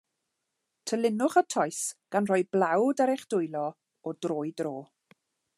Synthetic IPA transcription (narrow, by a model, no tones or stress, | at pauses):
tʰəlɪnʊχətʰɔjsɡ̥anrɔjblˠawdaɾɛχd̥ʊjlˠɔ | ɔdroːjdroː